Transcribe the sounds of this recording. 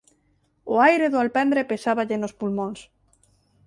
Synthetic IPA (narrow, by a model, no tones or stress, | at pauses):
oajɾeðoalpɛnd̪ɾepesaβaʎenospulmõns